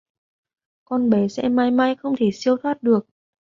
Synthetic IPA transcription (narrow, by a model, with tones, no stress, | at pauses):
kɔ˧nɓe˨˦sɛ̰˧˥maː˧jmaː˧jxə˧wŋ͡mt̪ʰe˧˩si˧əwt̪ʰwaː˦˥t̚ɗɨ˨˩ək̚